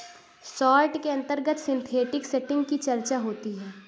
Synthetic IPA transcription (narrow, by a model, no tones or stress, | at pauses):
sɔːɾʈkeɐ̃nt̪əɾɡət̪sɪ̃nt̪ʰeːʈɪkseʈɪ̃ŋɡkit͡ʃɐɾt͡ʃaɦoːt̪iɦɛː